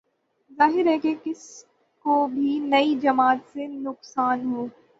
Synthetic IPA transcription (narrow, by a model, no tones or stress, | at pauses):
zaːɦɪɾɦɛːkekɪs | kobʱinɐid͡ʒɐmaːt̪senʊqsaːnɦoː